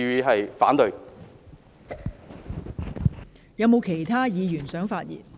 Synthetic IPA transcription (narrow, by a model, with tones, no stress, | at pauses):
ɥiː˨˧ɦɐ˨jfa̰ː˨˥nt̪ɵ˨˧ | jɐ˨˧wmo˨˧wkʰe˨˩jt̪ʰaː˥jiː˨˧jyː˨˩nsœː˨˥ŋfaː˧t̚jḭː˨˩n